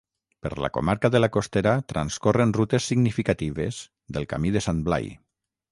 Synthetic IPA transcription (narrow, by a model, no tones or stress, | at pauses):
pə̰ɾla̰ko̰maɾkaðəlakost̪eɾat̪ɾanskorenrut̪esːiɡnifikat̪iβez̥ | ðəlˠka̰miðesanbla̰j